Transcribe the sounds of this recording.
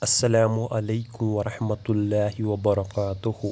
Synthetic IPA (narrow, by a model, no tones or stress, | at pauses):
ʔasːalaːmʊʔalajkʊmwɑɾˤɑħmat̪lːaːhɪwabɑɾˤɑkaːt̪ʊh